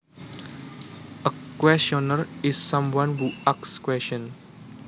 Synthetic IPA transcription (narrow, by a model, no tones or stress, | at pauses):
əkwɛsɔnəɾizsʌ̃mwʌ̃nhuakskwɛsə̃n